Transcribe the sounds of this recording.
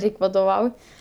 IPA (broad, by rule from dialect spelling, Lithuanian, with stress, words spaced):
ˈrʲɛɪkʲ ʋɐdoːˈʋɐʊ